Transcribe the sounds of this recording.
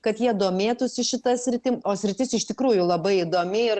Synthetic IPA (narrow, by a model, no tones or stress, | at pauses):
kɐt̪jiɛd̪oːmʲeːt̪ʊsʲɪʃʲɪt̪ɐsʲɾʲɪt̪ʲɪoːsʲɾʲɪt̪ʲɪsɪʃt̪ʲɪkɾuːjʊlˠɐbɐɪid̪oːmʲɪɪr